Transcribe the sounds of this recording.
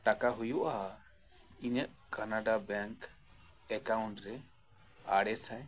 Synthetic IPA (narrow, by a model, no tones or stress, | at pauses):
ʈakaɦujuʔaɦa | iɲəʔ | kanaɖabɛŋk | ɛkawuɳʈɾɛ | a̰ɽɛsaj